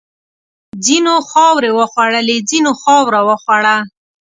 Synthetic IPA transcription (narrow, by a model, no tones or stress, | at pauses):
d͡zinoxɑwɾewəxwaɽəled͡zinoxɑwɾawəxwaɽa